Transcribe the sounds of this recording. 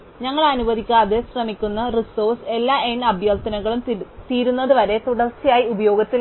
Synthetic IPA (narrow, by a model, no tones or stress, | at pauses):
ɲɐŋːɐɭɐnubɐðikʲːaːðɨɕrɐmikʲːunːɐriso̞ːrse̞lːaːenɐbʱjɐlt̪ɐnɐɣɐɭumt̪iːɾunːɐðɨʋɐɾe̞t̪uɽɐrt͡ɕːijaːjiubɐjo̞ːɡɐt̪ːi